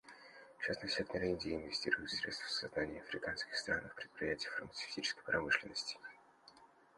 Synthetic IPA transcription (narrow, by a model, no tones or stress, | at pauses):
t͡ɕasnəsʲtʲaknʲɪɾʲinʲdʲɪːnvʲɪsʲtʲḭɾʊjʊt̪sɾʲe̞t̪st̪fsɐznanʲɪjəɐfɾʲɪkanskʲɪ̥xst̪ɾanəxpɾʲɪt̪̚pʲɾʲɪjætʲɪjəfərmət̪sɨ̥fʲtʲit͡ɕɪ̥skə̥jpɾɐmɨʂlʲɪnːəsʲtʲɪ̥